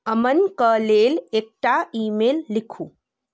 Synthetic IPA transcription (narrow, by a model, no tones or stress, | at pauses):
əmənkəleːlek̚ʈaiːmeːlːikʰuː